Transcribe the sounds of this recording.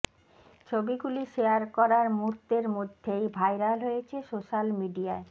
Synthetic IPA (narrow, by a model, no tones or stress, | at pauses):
t͡ɕʰobiɡuliʃejaɾkɔɾaɾmuɾt̪ːeɾmod̪ʱːejbʱaeɾalɦojet͡ɕʰesoʃalmiɖiae